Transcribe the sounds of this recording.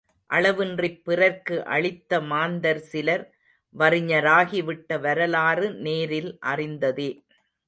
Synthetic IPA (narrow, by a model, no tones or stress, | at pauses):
ʔɐɭɐʋɯndrɪpːɪrɐɾkɯʔɐ̰ɭɪt̪ːɐmaːnd̪ɐɾsɪlɐɾ | ʋɐrɪɲɐɾaːɣɪʋɪʈːɐʋɐɾɐlaːrɯneːɾɪlʔɐ̰rɪnd̪ɐðeː